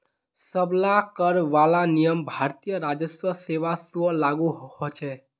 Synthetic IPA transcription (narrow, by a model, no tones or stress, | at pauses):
səblakəɾʋalanijəmbʱaɾt̪ijəɾad͡ʒəsʋəseʋasʋəlaɡuɦhot͡ʃʰe